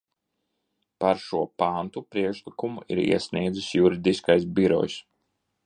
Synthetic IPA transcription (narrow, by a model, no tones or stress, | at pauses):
paɾʃuɔpant̪upɾiɛkʃlˠikumuʔḭɾḭɛsniɛd̪zusjuɾid̪iskajs̬biɾɔ̰js